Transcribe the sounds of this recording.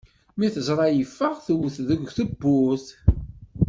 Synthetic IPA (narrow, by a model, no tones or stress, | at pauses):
miθəzɾˤɑjəfːəʁθəwθðəɡʷθəbːʊθ